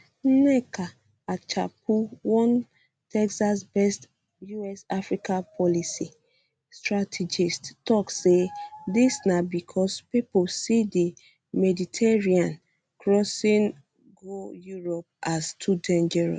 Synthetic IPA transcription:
nɛkʰa | at͡ʃa̰p̚uwɔ̃n | tɛksasbɛst | juɛsafɹikapʰɔlisi | stɹatʰid͡ʒisttɔksedisnabikʰɔspiposidi | mɛditʰɛɹiãn | kɹɔsĩn | ɡojuɹɔp̚astʰudɛ̃nd͡ʒɛɹɔ̰

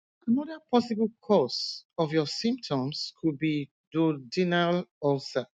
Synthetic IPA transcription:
anɔdəpʰɔsiblkʰɔsɔvjɔsĩmp̚tʰɔ̃mskʰud̚bi | dɔd͡ʒinalɔlsa

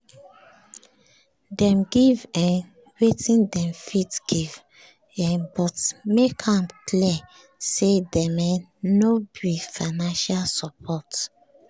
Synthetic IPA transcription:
dɛ̃mɡivɛ̃n | wetĩndɛ̃mfitɡ̥iv | ɛ̃nbɔtmekʰãmkliɛ | sedɛmɛnobifanãnʃalsɔpʰɔt

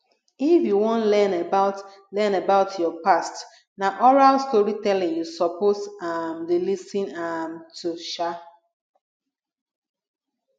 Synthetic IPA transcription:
ifjuwɔ̃nlɛnebaʊt | lɛnebaʊtʰjɔpast | naʔɔɹalstɔɹitɛlɪ̃ŋjusɔposamdelisĩnamtuʃa

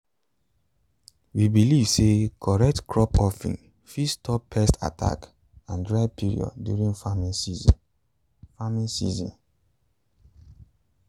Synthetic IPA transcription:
wibilivsekʰɔɹɛk̚tkʰɹɔpɔfḭ̃n | fistʰɔpʰːɛstʰa̰tʰa̰k | ãndɹaɪpʰiɹḭɔ̰d̚djṵɹĩŋfamĩnsiz | famĩnsḭzɔ̰̃n

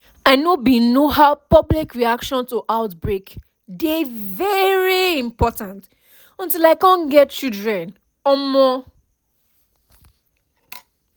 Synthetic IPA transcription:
aɪnobinohaʊpʌblikɹiakʃɔ̃ntuʔaʊtbɹek | devɛɹiĩmpɔtãnt | ɔ̃ntilaɪkãnɡɛt̚t͡ʃildɹɛ̃n | ɔmɔ

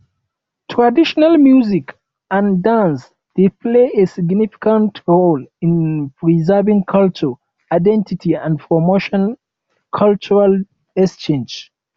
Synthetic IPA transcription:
tʰɹadiʃɔnalmjuzik | ãndãns | d̪̥epʰleesiɡnifi̥kãntɹolĩnpɹizɛvĩŋkʰalt͡ʃə | aɪdɛ̃ntitʰiãndpʰɹɔmoʃɔ̃n | kʰalt͡ʃuɹal | ɛst͡ʃẽnd͡ʒ

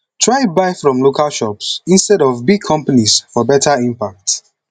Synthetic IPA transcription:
tʰɹaɪbaɪfɹɔ̃mlokʰalʃɔpsĩnstɛɾɔvbiɡ̚kʰɔ̃mpanisfɔbɛtʰaĩmpak̚t

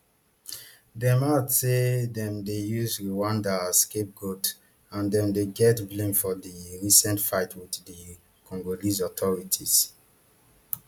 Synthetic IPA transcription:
dɛ̃matsedɛ̃mdejuzɹiwãndaskep̚ɡot | ãndɛ̃mdeɡɛtblẽmfɔdiɹisɛ̃ntfaɪtʰwiddi | kʰɔ̃ŋɡolizɔtʰɔɹitʰiz̥

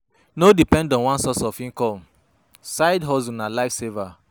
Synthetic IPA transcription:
nodipɛ̃ndɔ̃nwãnsɔsɔfĩŋkɔm | saɪdɦɔzunalaɪfseva

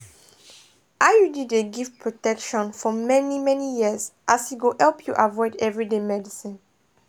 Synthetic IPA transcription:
ajudideɡivpɹotɛkʃɔ̃nfɔmɛnimɛnijiəzʔashiɡohɛlpʰjuʔavɔɪdɛvɹidemɛdisĩn

